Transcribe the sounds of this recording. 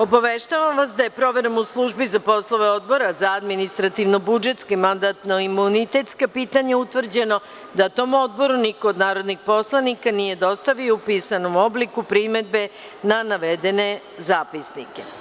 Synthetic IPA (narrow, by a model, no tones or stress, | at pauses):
o̞baʋeʃt̪aʋamʋasd̪ajepɾo̞ʋeɾomuslˠuʒbizapo̞slˠo̞ʋe̞o̞d̪bo̞ɾazaad̪minist̪ɾat̪iʋno̞bud͡ʒe̞t̪skimand̪at̪noimunit̪e̞t̪skapiːt̪aɲaut̪ʋr̩d͡ʑe̞no̞ | d̪at̪o̞mo̞d̪̚bo̞ɾuniko̞ːd̪naːɾo̞d̪nixpo̞slˠanikanije̞d̪o̞st̪aʋioupiːsano̞mo̞blikupɾime̞d̪̚be̞ | nanaʋed̪e̞ne̞ | zaːpisnike